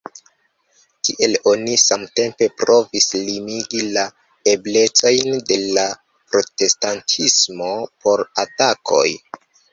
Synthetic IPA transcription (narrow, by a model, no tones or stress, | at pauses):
tiʔe̞lo̞nisamte̞mpe̞pɾo̞vislimiɡila | e̞ble̞t͡so̞jnde̞la | pɾo̞te̞stantʰismo̞pʰo̞ɾatakʰo̞̰j